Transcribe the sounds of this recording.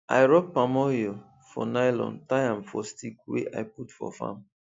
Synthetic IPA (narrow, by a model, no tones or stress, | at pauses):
a̰jɹɔpamɔjo | fɔnajlɔ̰̃ntajãmfɔstikwḛʔa̰jputfɔ̰fã̰m